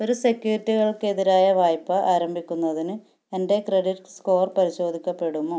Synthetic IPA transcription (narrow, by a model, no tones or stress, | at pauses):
o̞ɾuse̞kjuːɾitːiɣɐɭke̞ðiɾaːjɐʋaːjpːɐʔaːɾɐmbʱikʲːunːɐðinɨ | ende̞kre̞ɽiʈsko̞ːrpɐɾiɕo̞ːd̪ʱikʲːɐpːe̞ɽumoː